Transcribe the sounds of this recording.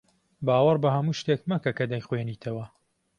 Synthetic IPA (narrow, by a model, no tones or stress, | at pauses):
baːwɐrbɐhɐmuːʃt̪eːkmɐkɐkɐd̪ɐjxweniːt̪ʰɐwɐ